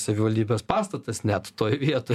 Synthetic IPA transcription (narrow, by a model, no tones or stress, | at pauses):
sɐʋʲɪʋɐlʲd̪ʲiːbʲeːspɑːst̪ɐt̪ɐsnʲæt̪t̪oːjʋʲiɛt̪oː